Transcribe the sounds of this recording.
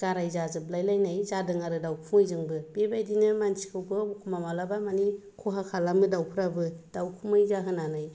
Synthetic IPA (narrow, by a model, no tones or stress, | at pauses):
ɡ̥aɾajzazɯblajlajnajzadɯŋaɾɯdawpʰuŋɯjzɯŋbɯbebajdinɯmansi̥kʰɯɡɯbkʰumamalabamanikʰuɦakʰalamɯdawpʰuɾabɯd̥awkʰumɯjzaɦɯnanaj